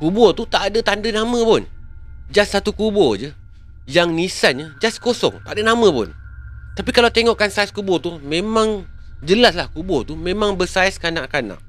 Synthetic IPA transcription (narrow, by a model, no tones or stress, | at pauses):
kubɔt̪ut̪aʔːdət̪andənamə̃pʊnd͡ʒasːat̪ukubɔd͡ʒə | jaŋnisanɲəd͡ʒaskosɔ̰ŋt̪aʔadənamə̃pʊ̰n | t̪apikalawt̪eŋɔʔkansaiskubɔt̪umemãŋ | d͡ʒəlaslahkubɔt̪umẽmãŋbəsaiskanaʔkana̰ʔ